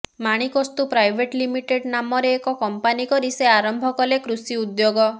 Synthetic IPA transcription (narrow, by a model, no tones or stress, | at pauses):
maɽ̃ikɔst̪upɾajbʱeʈlimiʈeɖnamɔɾeːkɔkɔmpanikɔɾiseaɾɔmbʱɔkɔlekɾusiud̪joɡɔ